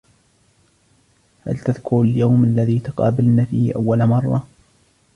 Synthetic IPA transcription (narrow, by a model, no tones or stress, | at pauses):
ha̰lt̪aðkʊɾaljawmʔalːaðiːt̪ʊqɑːbɪlnafiːʔawːalmɑrˤːɑ̰